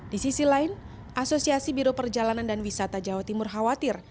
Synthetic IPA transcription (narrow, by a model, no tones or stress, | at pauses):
disisilaɪn | ʔasosiasibiɾopərd͡ʒalanandanwisat̪ad͡ʒawat̪imʊrɦawat̪ɪr